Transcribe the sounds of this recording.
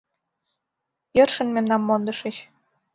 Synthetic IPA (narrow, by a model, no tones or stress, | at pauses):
jɤrʃə̆nmemnɑmːond̪ɤ̆ʃeɕ